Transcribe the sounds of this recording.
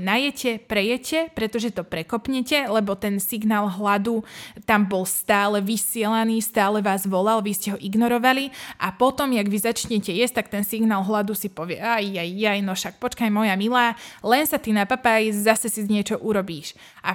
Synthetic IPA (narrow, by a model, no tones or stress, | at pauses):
najɛcɛpɾɛjɛcʰɛpɾɛt̪ɔʒɛt̪ɔpɾɛkɔpɲɛcɛlɛbɔt̪ɛnsiɡnaːlˠɦlad̪ut̪ambɔlst̪aːlɛʋisɪɛlaniːst̪aːlɛʋaːzʋɔlalʋiscɛɦɔʔiɡnɔɾɔʋaliʔapɔt̪ɔmjaɡʋizat͡ʃɲɛcɛjɛst̪ak̚t̪ɛnsiɡnaːlˠɦlad̪usipɔʋɪɛajːajjajnɔʃak̚pɔt͡ʃkajmɔjamilaːlɛnsat̪inapapajzasɛsizɲɪɛt͡ʃɔʔuɾɔbiːʃ | ʔa